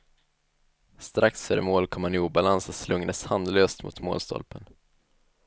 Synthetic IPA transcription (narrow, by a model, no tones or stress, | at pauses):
st̪ɾaksfœɾə̰moːlkʰɔmhanɪuːbalansɔslɵŋd̪əshand̪løːst̪mʊ̰t̪mo̰ːlst̪ɔ̰lpən